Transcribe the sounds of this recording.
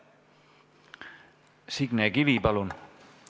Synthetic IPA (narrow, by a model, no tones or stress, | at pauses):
siɡ̥nekiʋipɑlun